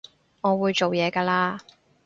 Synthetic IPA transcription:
ŋɔː˨˧wuː˨˧jt͡so˨wjɛː˨˧kaː˧laː˧

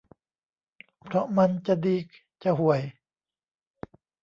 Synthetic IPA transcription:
pʰɾɔ˧ma˧˥˨nt͡ɕa˧˨diː˧˦˩k̚ | t͡ɕa˧˨ɦu˨˩əj

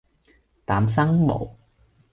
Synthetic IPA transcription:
t̪aː˨˥ms̬ɐ˥ŋmo̰˨˩w

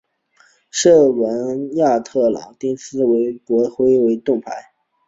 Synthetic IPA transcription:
ʂɤ˥˩wə˧˥nja˥˧t̪ʰɤ˥˩lɑ̰˨˩ŋt̪jɛ˥nsɹ̩˥we˧˥ɪkwɔ˧˥xwe˥ɪwe˧˥ɪt̪ʊ˥˩ŋpʰa̰˧˥ɪ

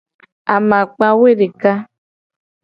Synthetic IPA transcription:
a˨mã˨k͡pa˦we˦˨ɖe˨ka˦

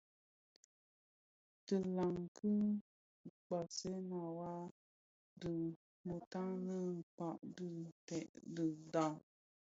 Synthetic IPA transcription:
tɨ˨la˨ŋkʰɨ˦˨ | k͡pa˨se˦na˨wa˦ | dɨ˨ | mu˨ta˦ŋnə˦˨k͡pa˦˨ʔdɨ˦˨tɛ˨ʔdɨ˨da˦˨ŋ

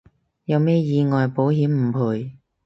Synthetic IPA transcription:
jɐ˨˧wmɛː˥jiː˧ŋɔː˨jpo˨˥wɦiː˨˥mm̩˨˩pʰuː˨˩j

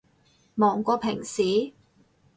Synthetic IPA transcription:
mɔː˨˩ŋkʷɔː˧pʰɪ˨˩ŋsiː˨˦

